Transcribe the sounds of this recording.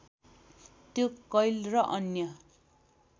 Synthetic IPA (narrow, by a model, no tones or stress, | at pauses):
t̪jokʌjlrʌʔʌnjʌ